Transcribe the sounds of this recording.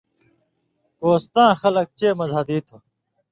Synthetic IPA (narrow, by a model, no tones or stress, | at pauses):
koːst̪ãːxɐlɐk̚t͡ɕeːmɐzɦɐbiːt̪ʰo